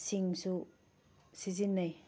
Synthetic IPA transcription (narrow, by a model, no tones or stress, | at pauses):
siŋsu | sizinːaj